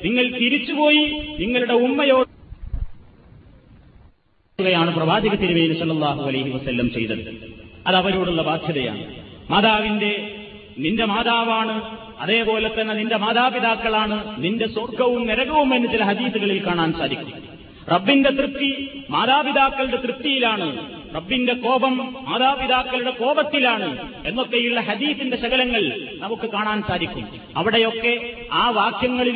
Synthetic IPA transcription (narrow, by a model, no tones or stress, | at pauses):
niŋːɐɭt̪iɾit͡ɕːupo̞ːjiniŋːɐɭuɽe̞umːɐjo̞ː | uɣɐjaːɳɨprɐʋaːd͡ʑɐɣɐt̪ːiɾumɐjinusɐlːɐlˠːaːɦuɐlɐjɦiʋɐsɐlːɐmt͡ɕejt̪ɐðɨɐðɐʋɐɾoːɽuɭːɐbaːd̪ʱjɐðɐja̰ːɳɨmaːd̪aːʋinde̞ | ninde̞maːd̪aːʋaːɳɨ | ɐðe̞ːpo̞ːlet̪ːɐnːeninde̞maːd̪aːbiðaːkːɐɭaːɳɨninde̞sorɡɐʋumniɾɐɣɐʋumenːut͡ɕilɐɦɐd̪iːθuɣɐɭilkaːɳaːnsaːd̪ikʲːumm | rɐbːinde̞t̪rɨt̪ːimaːðaːbiðaːkːɐɭuɽe̞t̪rɨt̪ːjijilaːɳɨ | rɐbːinde̞ko̞ːbɐmːaːðaːbiðaːkːɐluɽe̞ko̞ːbɐt̪ːilaːɳɨe̞nːokːejiɭːɐɦɐd̪iːθinde̞ɕɐɣɐlɐŋːɐɭnɐmukːɨkaːɳaːnsaːd̪ikʲːum | ɐ̰ʋiɽe̞jo̞kːe̞ | aːʋaːkʰjɐŋːɐɭi